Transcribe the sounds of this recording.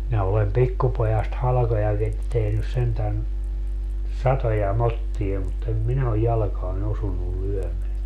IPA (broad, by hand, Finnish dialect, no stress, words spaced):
minæ olem pikːupojɑst hɑlɑ̆kojɑkit tehnys sentæn sɑtojɑ motːie mut em minæ oj jɑlɑ̆kɑːn osunːul lyømeæ